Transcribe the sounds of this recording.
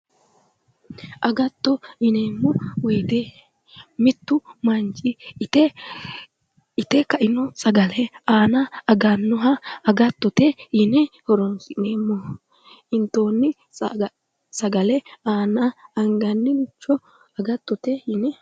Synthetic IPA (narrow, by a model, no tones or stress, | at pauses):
ʔɐɡɐt̪ːɔɪneːmːɔwɔjd̪e | mɪt̪ːʊmɐnt͡ʃʼɪɛ | ɪt̪ɛkɐʔɪnɔsɐɡɐlɛaːnɐɐɡɐnːɔɦɐːɡɐt̪ːɔt̪ɛjɪnɛhɔɾɔnsɪneːmːɔ | ɪnt̪o̞ːnːɪ | sɐɡɐlɛaːnɐɐŋɡɐnːɪmɪt͡ʃːɔ | ɐɡɐt̪ːɔt̪ɛjɪnɛ